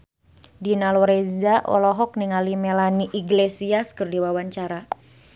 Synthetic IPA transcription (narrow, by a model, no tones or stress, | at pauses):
dinalɔɾezaʔɔ̰lɔɦɔk̚niŋalimelaniʔiɡlesiaskərdiwawaɲt͡ʃaɾa